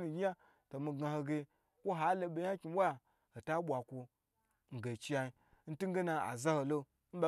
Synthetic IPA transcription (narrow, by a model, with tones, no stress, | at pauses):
ni˨ɡʲi˦a˦ | to˨mi˨ɡa˨ho˨ɡe˧ | kʷo˦ɦa˦lo˨ɓe˨ɲa˦kʲi˨m˦wʷa˦˨ | ho˨ta˦ɓʷa˨kʷo˧ | ŋ̩˨ɡe˨t͡ʃi˦ja˨i˨ | n̩˦tu˦ŋ˦ɡe˦na˨a̰˨za˦ho˨lo˦ | n̩˦ɓa˨